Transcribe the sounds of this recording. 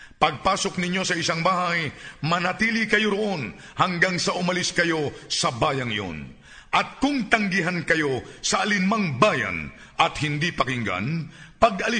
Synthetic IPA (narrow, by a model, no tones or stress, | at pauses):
pɐɡ̚paːso̞k̚nɪɲːo̞sɐɪsaŋbaːɦajmɐnɐt̪iːlikɐjo̞ɾoʔo̞n | hɐŋɡaŋsɐʔʊmɐliskɐjo̞sɐbaːjɐŋɪ̰ʔo̰n | ʔɐt̪̚kʊŋt̪ɐŋɡɪɦankɐjo̞sɐɐlɪnmaŋbaːjɐ̰n | ʔɐt̪hɪnd̪ipɐkɪŋɡa̰npɐɡʔɐlɪ